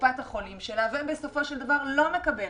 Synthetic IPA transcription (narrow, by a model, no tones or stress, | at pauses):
pat̪aχo̞limʃelavembeso̞fo̞ʃeld̪avaʁlo̞mekabe